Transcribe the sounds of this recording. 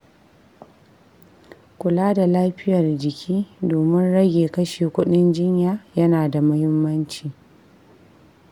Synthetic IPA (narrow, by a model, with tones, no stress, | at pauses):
kʷʊ˨laː˦da˨laː˦ɸɪ˦jɐ˨rd͡ʒɪ˨kʲʰiː˦doː˨mɪ˦nɽɐ˦ɡʲeː˨kɐ˦ʃeː˨kʷʊ˦ɗɪ˦nd͡ʒɪ˦ɲjaː˦jɐ˦naː˨da˨mʊ˦hɪ˦mːɐ˦nt͡ʃiː˨